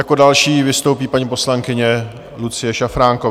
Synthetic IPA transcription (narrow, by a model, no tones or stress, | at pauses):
jakodalʃiːvɪst̪owpiːpaɲipo̞slaŋkɪɲɛ | lut͡sɪjɛʃafɾaːŋko